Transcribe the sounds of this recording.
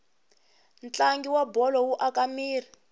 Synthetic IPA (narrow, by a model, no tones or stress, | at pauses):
nt͡ɬaŋɡiwabɔlɔwuʔakamiːri